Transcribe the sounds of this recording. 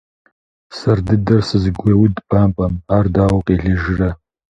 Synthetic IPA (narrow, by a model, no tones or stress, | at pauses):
sɐrdɨdɐrsɨzɨɡʷewʊdpʰʼaːmpʼɐmaːrdaːwɐqʼeːɮɨʒɪrɐ